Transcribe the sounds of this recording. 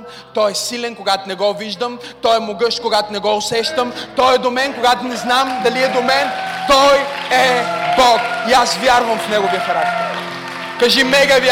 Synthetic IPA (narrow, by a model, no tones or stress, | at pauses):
t̪ɔjɛsilʲɛnkoɡat̪onɛɡɔviʒd̪əm | t̪ɔjɛmoɡɤʃkoɡat̪ʊnɛɡɔʊsɛʃt̪əmt̪ɔjɛd̪omɛnkoɡat̪ʊnɛznamd̪ɐliɛd̪omɛnt̪ɔjɛbɔkiasvʲjaɾvɐmfnɛɡʊviəxɐɾak̚t̪ɛɾ | kɐʒimɛɡɐvj